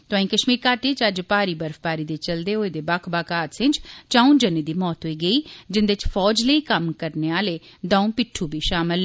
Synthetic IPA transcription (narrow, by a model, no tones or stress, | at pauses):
t̪oãːĩːkəʃmiːɾkaːʈeːt͡ʃəd͡ʒpaːɾiːbəɾfbaːɾiːd̪eːt͡ʃəld̪eːɦoːeːd̪eːbaːkʰbaːkaːt̪sɪ̃nd͡ʒt͡ʃaːũːnd͡ʒənːiːd̪iːmɔːt̪ɦoːiːɡəiːd͡ʒɪnd̪et͡ʃfʰɔːd͡ʒləiːkəmkəɾneːaːleː | d̪ãːũːpɪʈʰːuːbʱiːʃaːmɪl